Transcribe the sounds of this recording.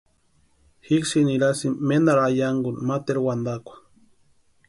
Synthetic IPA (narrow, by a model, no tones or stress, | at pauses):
hiksiniɾasimːend̪aɾajaŋɡunmat̪eɾwand̪akʷḁ